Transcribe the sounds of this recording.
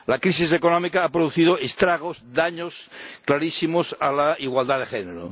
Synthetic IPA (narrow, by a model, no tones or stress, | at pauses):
lakɾis̬is̬ekonomikaapɾoðuθiðoest̪ɾaɣ̞ozd̪aɲosklaɾisimosalaiɣwald̪aðexeneɾo̰